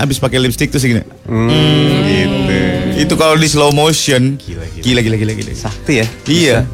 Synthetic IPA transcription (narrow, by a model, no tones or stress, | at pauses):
a̰bɪspakɛlimst̪ɪk̚t̪us̬iɡina̰ | i | it̪ukalawdislomoʃɔnkilaɡilaɡilaɡḭla̰ɡsak̚t̪ujaija